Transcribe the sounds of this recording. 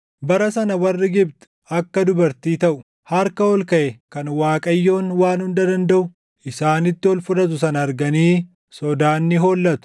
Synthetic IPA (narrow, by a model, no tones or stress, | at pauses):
bɐɾɐsɐnɐwɐrːɪɡɪbt̪ʊ̥ | ɐkːɐd̪ʊbɐɾt̪iːt̪ɐʔʊ | hɐɾkɐɔlkɐʔɛkɐnwaːkʼɐjːo̞ːnwaːnhʊnd̪ɐd̪ɐnd̪ɐʔʊ | ʔɪsaːnɪt̪ːɪɔlfʊᶑɐt̪̬ʊsɐnɐɐɾɡɐniː | sɔd̪aːnːɪɦo̞ːlːɐt̪ʊ̥